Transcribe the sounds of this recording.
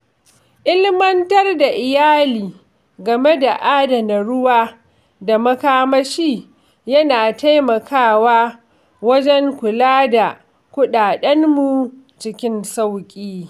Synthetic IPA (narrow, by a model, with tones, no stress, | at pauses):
ʔɪ˦lmɐ˦ntɐ˦rda˨ʔɪ˨jaː˦liː˨ | ɡɐ˨me˦da˨ʔaː˦dɐ˨na˨ɽʊ˦waː˦ | da˨mɐ˦kaː˦mɐ˦ʃiː˦ | jɐ˦naː˨ta˦jmɐ˨kʰaː˦˨waː˦ | wɐ˦d͡ʒɛ˦ŋkʷʊ˨laː˦da˨ | kʷʊ˦ɗaː˨ɗɐ˦nːu˨ | t͡ʃɪ˦kʲɪ˦nsa˦wkʲʼiː˦